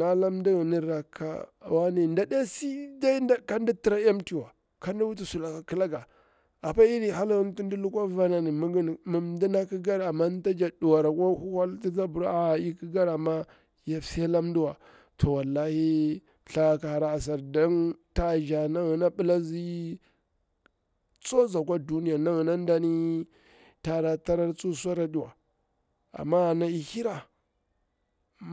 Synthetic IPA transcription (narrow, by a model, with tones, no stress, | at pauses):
na˦la˦m˦di˦ɣi˨ni˦ɾa˨kʰːa̰˦˨wa˦ni˦˨nda˨da˦a˦si˦da˦i˦a˦ka˦n˦da˦ti˨ɾa˦a˦mti˨wa˨ | ka˦nda˦wu˦t̬i˦su˨la˨ka˨ki˦la˦ɡa˨ | a˨pa˦i˦ɾi˨ɦa˦lɣi˦n˦tu˦n˦di˦lu˦kʷa˦va˦na˨ni˨mu˦ɡi˦n˨mu˨mdi˦na˦ki˦ɡa˦ɾa˨ma˦n˦ta˦d͡ʒa˨du˨wa˨ɾa˨kʷa˦hu˦ha˦lti˦za˦bu˨ɾa˦a˨i˦ki˦ɡa˦ɾa˨mːa˦ | ja˦fsi˦a˦la˦mndu˦wa˨ | tʰo˨wa˨lːa˦hi˦˨ | ɬa˦ka˨ha˨ɾa˦a˨s̬a˨ɾdo˦nta˦˨ʒa˨na˦ɣi˨na˦ɓə˦la˦zi˦ | t͡so˦za˨k̬ʷa˦du˦ni˦ja˨na˦ɣna˦n˦da˦ni˦ | ta˦ɾa˨ta˦ɾa˦ɾt͡su˦sa˦ɾa˦di˨wa̰˨ | a̰˨mːa˦˨na˨i˨hi˦ɾa˨